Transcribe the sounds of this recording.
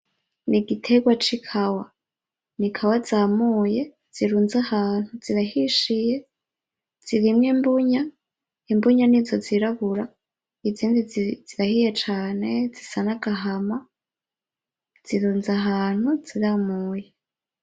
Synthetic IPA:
niɡitʰe̞ɡwat͡ʃikʰawa | nikʰawazaːmuːje̞ | z̥iɾuːnzahaːn̥huziɾahiʃije̞ | z̥iɾimŋiːmbuɲa | imbuɲanizoziɾaβuɾa | iziːndiz̥iɾahije̞t͡ʃaːne̞zisanaɡaɦama | z̥iɾuːnzaɦaːn̥huz̥iɾamuːje

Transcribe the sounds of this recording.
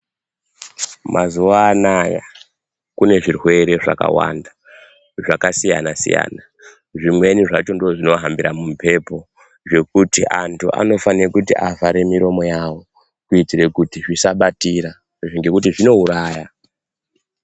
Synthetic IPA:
mʔazuʋaːnaja̰ | kune̞ʐirwe̞ɾe̞ʐa̰ka̰wa̰nda | ʐakasija̰nasḭja̰ːna | ʐimwe̞niʐat͡ʃo̞ndoʐino̞ɦambiɾamumpʰe̞po̞ | ʐe̞kutiʔantʰuʔa̰no̞fanirekutiʔavaɾe̞miɾo̞mo̞jawo̞ | kuitiɾe̞kutiʐisaɓatiɾa | ʐiŋɡe̞kutiʐino̞uɾaːja

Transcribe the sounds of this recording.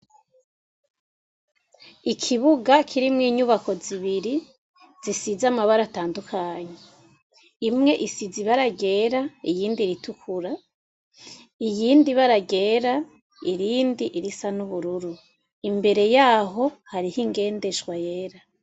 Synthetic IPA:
ikʰiβuɡakʰiɾimŋiːɲuβako̞ziβiɾi | z̥isizamaβaɾataːndukʰaɲe | imŋe̞ʔisiziβaɾaɡe̞ːɾaijiːndiɾitʰukʰuɾa | ijiːndiβaɾaɡe̞ːɾa | iɾiːndiʔiɾisanuβuɾuɾu | imbe̞ɾe̞jaːɦo̞haɾihiŋɡe̞ːnde̞ʃɡwaje̞ːɾa

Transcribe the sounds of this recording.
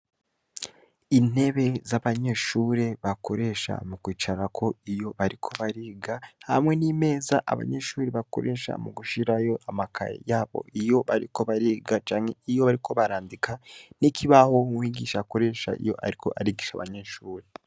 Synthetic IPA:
in̥e̞βe̞zaβaɲe̞ːʃuːɾe̞βako̞ɾe̞ʃa̰mukwiːt͡ʃaɾakʰo̞ijo̞βaɾikʰo̞βaɾiːɡaha̰mŋenime̞ːzaʔa̰βa̰ɲe̞ʃuːɾe̞βako̞̰ɾʔe̞ʃa̰muɡuʃiɾajo̞ʔamakʰa̰jḛjaːβo̞̰ʔijo̞βaɾiko̞βaɾiːɡat͡ʃaːŋhe̞ijo̞βaɾikʰo̞βaɾaːndikʰanikʰiβaho̞wiːɡiʃako̞ɾe̞ːʃa̰ʔḭjo̞̰ʔa̰ɾikʰo̞̰ʔaɾiɡiʃa̰βa̰ɲe̞ːʃuːɾe

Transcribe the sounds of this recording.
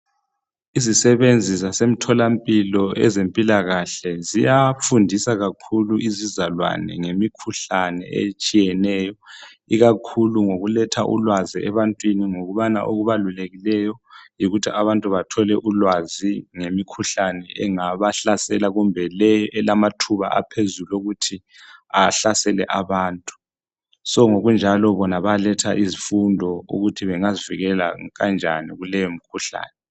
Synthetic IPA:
izisɛβend͡zʱizasem̩tʰɔlampʼilɔʔɛzempʼilaɣaɬɛzijafundʱisaɣakʰuluʔizizalwa̰nɛ̰ŋemikʰuɬanɛ̰ḛt͡ʃʼijɛnɛːjɔ | iɣakʰuluŋoɣulɛtʰaʔṵlwaziɛβantʼwiniŋoɣuβana̰ʔoɣuβaluleɣilɛjɔjiɣutʰiʔaβantʼuβatʰɔlɛʔulwaziŋemikʰuɬanɛɛŋaβaɬasɛlaɣumbʱɛlɛjɔʔɛlamatʰuβa̰ʔa̰pʰezuloɣutʰi | aɬasɛlɛʔaβaːntʼu̥ | sɔŋoɣund͡ʒʱalɔβɔnaβalɛtʰaʔizifundʱɔṵɣutʰiβɛŋaziviɣɛla̰ɣand͡ʒʱa̰niɣulɛjomikʰuɬa̰ːnɛ

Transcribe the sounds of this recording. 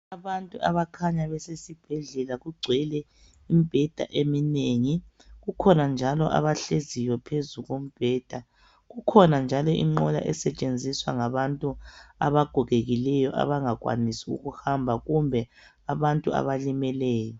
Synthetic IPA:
aβantʼuʔa̰βakʰaɲaβɛsesib̥ʱɛɮɛlaɣuɡ͡ǀʱwɛlɛ | imib̥ʱɛd̥ʱa̰ʔemineŋi | ɣukʰɔnand͡ʒʱalɔʔa̰βaɬezijwɔpʰezuɣom̩b̥ʱɛːd̥ʱa | ɣukʰɔnand͡ʒʱalɔʔḭŋ͡ǃɔla̰ʔɛsɛt͡ʃʼend͡zʱiswa̰ŋaβantʼuaβaɡ̥ʱɔɣeɣilɛjɔʔa̰βaŋaɣwa̰nisiṵɣuhambʱaɣumbʱɛ | aβantʼua̰βalimɛlɛːjɔ

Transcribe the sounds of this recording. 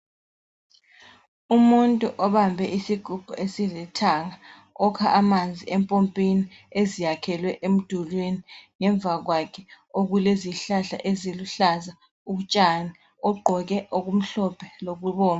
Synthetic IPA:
umuntʼuʔɔβambʱɛʔisiɡ̥ʱuɡ̥ʱṵʔesilɛtʰaŋa | ɔkʰaʔːmand͡zʱiʔɛmpʼompʼiniezijakʰɛlwɛʔem̩d̥ʱulweniŋɛɱvʱaɣwakʰɛ | oɣuleziɬaɬa̰ʔeziluɬaza | uɣut͡ʃʼani | ɔɡ͡ǃʱɔɣɛʔoɣum̩ɬɔpʰɛloɣuβɔːna

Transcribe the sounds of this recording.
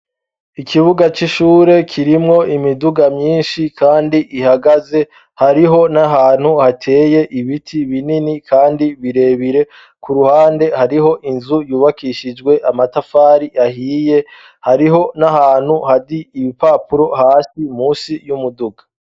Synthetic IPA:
ikʰiβuɡat͡ʃiʃuːɾe̞kʰiɾimŋo̞ʔimiduɡamɲiːnʃikʰaːndiʔihaɡaze̞ | haɾiɦo̞naɦaːn̥huhatʰe̞ːje̞ʔiβitʰiβininikʰaːndiβiɾe̞ːβiɾe̞ | kuɾuhaːnde̞haɾiɦo̞ʔinzujuːβakiʃid͡ʒɡwe̞ʔamatafaːɾiʔahiːje̞ | haɾiɦo̞nahaːn̥huhadiːβipaːpuɾo̞haːsimuːsijumuduɡḁ

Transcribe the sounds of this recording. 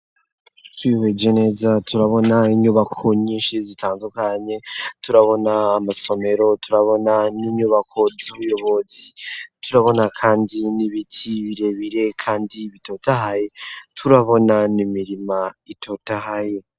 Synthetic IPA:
twiβed͡ʒene̞ːzatʰuɾaβo̞naiɲuβakʰo̞ɲiːnʃizitʰaːndukaɲe̞tuɾaβo̞naːmaso̞me̞ɾo̞tʰuɾaβo̞naniɲuβakʰo̞zuβujo̞βo̞zituɾaβo̞nakʰaːndiniβitʰiβiɾe̞βiɾe̞kʰaːndiβito̞tahaje̞tʰuɾaβo̞nanimiɾimaitʰo̞tahaje̞

